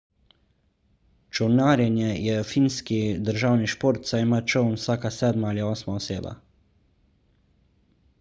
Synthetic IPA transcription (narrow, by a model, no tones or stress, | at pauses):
t͡ʃownaːɾjɛnjɛjɛfinskid̪əɾʒaːwniʃpoːɾt̪saimat͡ʃownwsaːkasɛːd̪maaːliɔːsmaɔseːba̰